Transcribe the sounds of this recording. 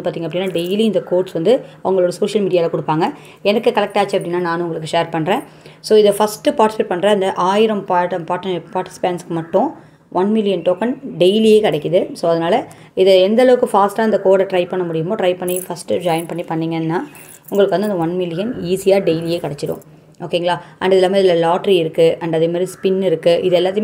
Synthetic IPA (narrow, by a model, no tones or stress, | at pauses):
ɯpaːɾt̪iːŋɡɐpːɽɪnːaːɖejliɪnd̪ɐkoːʈsʋɐnd̪ɯɐʋɐŋɡɐɭɔːɽɐsoːʂɐlmiːɽɪaːlɐkʊɽɯpːaːŋɡɐ | ɛnɐkːɯkɐlɛk̚ʈaːt͡ʃːiɐpːɐɽɪnːaːnaːnʊʊŋɡɐɭɯkːɯʂeːɾpɐɳːɾẽː | soːɪðɐfɐsʈɯpaːɾʈɪ̥sɪʈ̚pɐɳːɾɐɪnd̪ɐʔaːjɪɾɐmpaːʈɐpaːɾʈpaːɾʈɪ̥sɪ̥peːnskːɯmɐʈːʊ̃ | ʋɐnmɪlɪjɐnʈoːkɐnɖejlieːkɐɽɛkːɯðɯsoːɐðɐnaːlɐ | ɪðɛɛnd̪ɐlɐʋɯkːɯfaːsʈaːɪnd̪ɐkoːɽɐʈɾɐɪpɐɳːɐmʊɽɪjɯmoːʈɾɐɪpɐɳːifɐsʈɯd͡ʒaːɪnpɐɳːipɐɳːiːŋɡɐnːaː | ʊŋɡɐɭɯkɯʋɐnd̪ɯɐnd̪ɐʋɐnmɪlɪjɐniːsijaːɖeɪlijeːkɐɽɛt͡ʃːɪɽõ̰ | oːkːeɪŋɡɐɭaːɐnɖɐðɪlːaːmɐɪðɪlːɐlaːʈɐɾiɪɾɯkːɯɐɳɖɐðeːmaːd̪ɾispɪnɪɾɯkːɯʔɪ̰ðɛlːaːt̪ːɪ